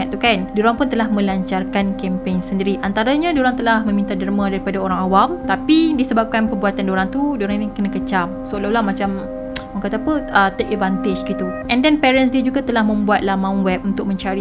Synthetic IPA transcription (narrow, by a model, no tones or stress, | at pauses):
aʔt̪ukandoɾaŋpʊnt̪əlahmə̃laɲt͡ʃarkankɛmpeŋsəndiɾiʔant̪aɾaɲãdoɾaŋt̪əlahmə̃mint̪adərmãdaɾipadaoɾaŋawamt̪apidisəbap̚kanpərbuat̪andoɾaŋt̪udoɾaŋnikənãkət͡ʃamsoolalahmat͡ʃam | aŋkat̪apəʔət̪ek̚ɛvant̪ed͡ʒɡit̪uʔɛndɛnpɛɾɛns̬diad͡ʒuɡat̪əlahmə̃mbuat̪̚lahmãũnwɛp̚unt̪ʊk̚mə̃ɲt͡ʃaɾi